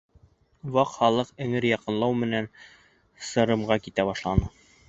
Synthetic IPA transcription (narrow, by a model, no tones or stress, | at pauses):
wɑqχɑlˠɤqɘ̆ŋɘɾjɑqɤ̆nlˠɑwmɘ̆næn | sɤ̆ɾɤ̆mʁɑkit̪æbɑʃlˠɑnɤ